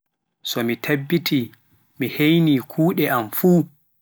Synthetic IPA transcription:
sɔmitʰebːiti | mihejnikʰuːɗɛʔamfuː

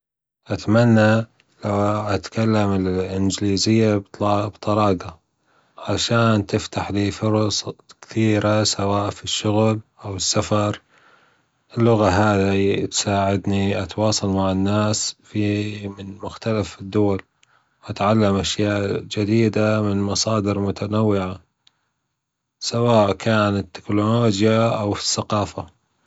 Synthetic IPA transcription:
ʔat̪manːa | lawʔat̪kalːamɪlʔɪnd͡ʒliːzɪjːabt̪bt̪ˤɑɾˤɑːɡa | ʕaʃaːnt̪ɪft̪aħliːfʊɾɑsˤkθiːɾasawaːʔfiʃːʊɣlʔawɪsːafɑɾˤ | ʔɪlːʊɣaɦaːðit̪saːʕɪd̪niʔat̪wɑːsˤɑlmaʕɪnːaːsfimɪnmʊxt̪alafɪd̪ːʊwal | wʔat̪ʕalːamʔaʃjaːʔd͡ʒɪd̪iːd̪amɪnmɑsˤɑːd̪ɪɾmʊt̪ʰanawːɪʕa | sawaːʔkʰaːnat̪ːɪ̥kloloːd͡ʒjaʔawfi̥sːaqɑːfa

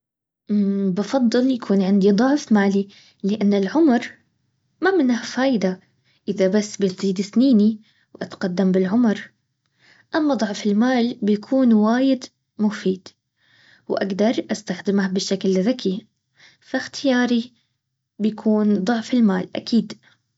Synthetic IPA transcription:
ʔbɑfɑd̪ˤːɨljakʰuːnʕɪnd̪id̪ˤʊʕfmaːli | lɪʔanːɪlʕʊmɾˤ | mamɪnːhafaːʔɪd̪a | ʔɪðabasːbɪt̪ziːd̪ɪθniːni | wʔat̪qad̪ːambɪlʕʊmɾ | ʔamːad̪ˤɑʕfɪlmaːlbɪjakʰuːnwaːjɪd̪ | mʊfiːd̪̥ | wʔa̰ɡd̪ɑɾˤʔast̪axd̪ɪmhbɪʃːaklðakʰi | faxt̪ʰɪjaːɾi | bɪjakʰuːnd̪ˤʊʕfɪlma̰ːlʔa̰kʰiːd̪

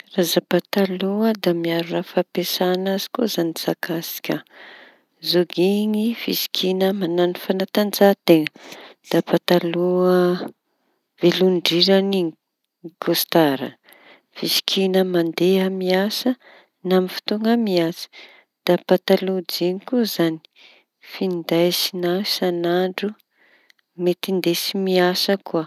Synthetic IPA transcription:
razapat̪aluəd̪amiaɾurafapesanazi̥kozanizakasi̥kʲə | zoɡiŋifisi̥kʰinəmananifanat̪and͡zat̪eŋəd̪̥apat̪aluə | veluɳɖ͡ʐiɾani | ɡost̪aɾə̰ | fisi̥kʰinəmand̪eamiasə | namifi̥t̪uŋamiat͡si̥ | d̪̥apat̪alud͡ʒiŋikuzani̥ | find̪ajsinasanaɳɖ͡ʐu | met̪ind̪esimiasəkuə

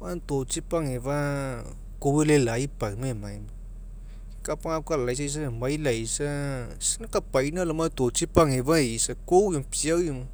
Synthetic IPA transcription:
mant̪ot͡sipaŋeva | kowelelaipamemajma | kapaŋap̚kalajs̬ais̬amajlajsa | sinakapajnalamant̪ot͡ʃipaŋevaisakowjapiawjima

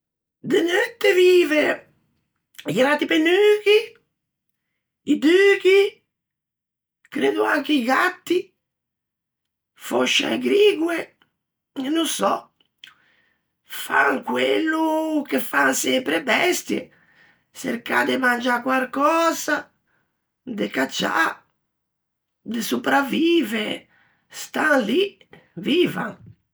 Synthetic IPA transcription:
d̪enøt̪ːeviːve | iɡɾat̪ːipenyːk̟i | id̪yːki | kɾeːd̪uaŋkeiɡat̪ːi | foʃːa̰jɡɾiːɡwe | nunsɔ | fa̰ŋkwelːukefansɛmpɾebɛst̪jḛ | sḛɾkad̪ɪmand͡ʒakwalkɔːza | d̪ɪkat͡ʃːa̰ | d̪ɪsupɾaviːve | st̪anli | viːva̰ŋ

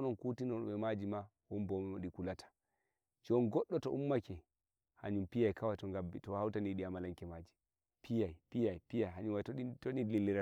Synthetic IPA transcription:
ɔnɔnkutinɔɓɛmad͡ʒima | wɔmbɔmɛmaɗikulatʰḁ | d͡ʒɔnɡɔɗːɔtɔʔumːakɛ | ha̰ɲumpijajkawatɔŋɡabitɔhawtaniɗiamalaŋkɛmad͡ʒi | pʰijajpijajpijajɦaɲunwatɔitɔɗililːiɾa

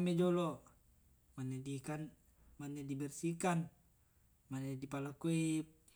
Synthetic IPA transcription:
med͡ʒɔlɔ | manɛdikan | manɛdibɛrsikan | manɛdipalakuip̚

